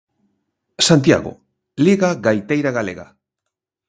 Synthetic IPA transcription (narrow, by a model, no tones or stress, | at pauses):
sant̪ia̰ɣo̰ | liɣaɡajt̪ejɾaɣaleɣa̰